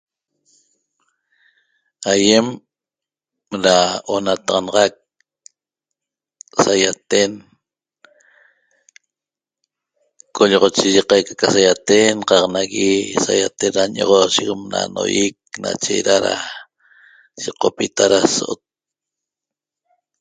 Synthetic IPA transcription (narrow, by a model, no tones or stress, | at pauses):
ajem | ɾaonat̪ɑʁɑnɑʁɑk̚ | sajat̪en | kʰoʎɔʁot͡ʃiʒiqajkḁkasajat̪enqɑqnaɣisajat̪enɾaɲoʁoʃikmna̰no̰jik̚na̰t͡ʃeɾaɾa̰ | ʃiqopit̪aɾasoʔot̪̚